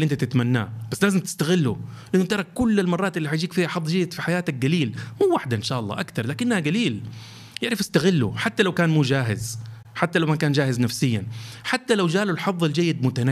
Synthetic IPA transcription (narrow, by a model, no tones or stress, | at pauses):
ʔɪnt̪at̪ɪt̪manːa̰ːbasːlaːzɪmt̪ɪ̥st̪aɣɪlːʊlʔɪnːʊt̪ɑɾˤɑkʊlːɪlmɑrˤːɑːt̪ʔɪlːiħajd͡ʒiːkfiːhaħɑðˤd͡ʒajːɪd̪fiħajaːt̪ak̚ɡaliːlmuːwaħd̪aʔɪnʃaːʔɑlˤːɑ̰ːʔakt̪ɑɾˤlaːkɪnːhaɡaliːl | jɪʕɾɪfɪst̪aɣɪlːʊ̰ħat̪ːalawkaːnmuːd͡ʒaːɦɪz | ħat̪ːalawmakaːnd͡ʒaːhɪznafsɪjːanħat̪ːalawd͡ʒaːlʊlħɑðˤːɪld͡ʒajːɪd̪̚mʊt̪ana